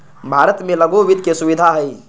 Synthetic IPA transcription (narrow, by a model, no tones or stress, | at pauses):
bʱaːɾət̪mẽləɡoʋɪd̪ʱkesʊʋɪd̪ʱaɦɛi